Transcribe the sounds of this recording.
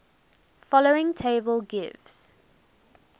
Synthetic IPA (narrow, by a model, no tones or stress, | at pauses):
fɔloʊɪ̃ŋtʰeɪbəlˠɡɪvz̥